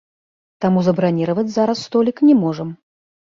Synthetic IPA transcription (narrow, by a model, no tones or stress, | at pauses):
t̪amuzɐbɾanʲiɾɐvɐt͡sʲzaɾɐsːt̪ɔlʲiknʲɛmɔʐəm